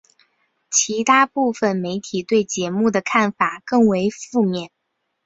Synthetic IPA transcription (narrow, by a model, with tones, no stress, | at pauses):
t͡ɕʰi˧˥t̪ʰa˥pu˥˩fə˩nme˧˥ɪt̪ʰi˨˩t̪we˥˩ɪt͡ɕjɛ˧˥mu˥˩d̪ə˩kʰa˥˩nfa˨˩kɤ˥˩ŋwe˧˥ɪfu˥˧mjɛ˥˩n